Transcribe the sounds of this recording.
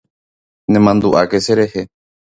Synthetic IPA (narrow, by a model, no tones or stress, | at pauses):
nẽmãnd̪uʔake̞se̞ɾe̞he̞